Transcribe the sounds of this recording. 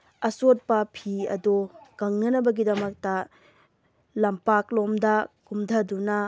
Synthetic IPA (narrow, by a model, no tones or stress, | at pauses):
ɐsot̚pɐpʰiɐ̰dokɐŋnɐnɐbɐɡidɐmɐk̚tɐ | lɐmpaklomdɐkumdʰʱɐdunɐ